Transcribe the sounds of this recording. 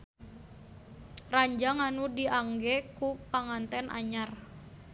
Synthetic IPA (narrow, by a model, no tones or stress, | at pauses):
raɲd͡ʒaŋanudiʔaŋɡɛkupaŋant̪ɛnʔa̰ɲar